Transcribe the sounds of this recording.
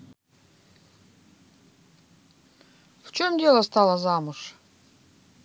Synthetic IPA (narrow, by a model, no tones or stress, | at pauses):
ft͡ʃʰomdʲelˠɐst̪ʰalˠɐzamuʂ